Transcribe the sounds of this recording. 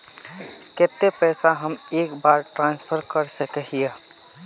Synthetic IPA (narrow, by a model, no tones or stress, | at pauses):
ket̪epɛːsaɦəmeːkbaːɾʈɾãːnspʰəɾkəɾsəkeɦie